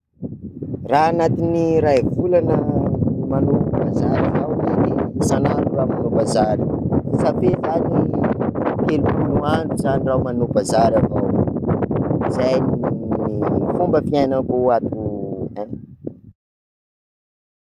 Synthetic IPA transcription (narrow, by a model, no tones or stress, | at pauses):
raːnat̪iniɾaevulanəmanopabazaɾavawd̪enisanaɾuramanobazaɾisafezani | kelumunuant̪uzaniraumanobazaɾavaw | izajniifumbəfiajnəkoat̪uan